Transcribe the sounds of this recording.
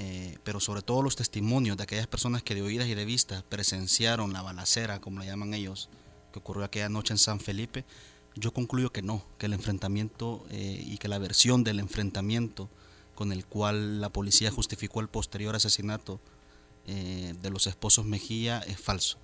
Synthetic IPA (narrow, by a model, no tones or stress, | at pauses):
epe̞ɾo̞soβɾe̞t̪o̞ð̞olo̞st̪est̪imõ̞njozd̪eake̞ʝaspe̞ɾso̞naske̞ðeo̞ið̞asiðe̞β̞ist̪apɾe̞se̞nsjaɾo̞nlaβalase̞ɾako̞mo̞laʝamaŋe̞ʝo̞s | keokurjo̞ake̞ʝano̞t͡ʃe̞ːnsaɱfe̞lipe̞ | ɟ͡ʝo̞ko̞ŋkluʝo̞ke̞no̞ke̞ːle̞ɱfɾe̞nt̪amje̞nt̪oḛḭke̞laβe̞ɾsjo̞nd̪ele̞ɱfɾe̞nt̪amje̞nt̪o | ko̞ne̞lkwalːapo̞lisiaxust̪ifiko̞alpo̞st̪e̞ɾjo̞ɾase̞sinat̪o | ed̪e̞lo̞se̞spo̞so̞zme̞xiaesfalso̥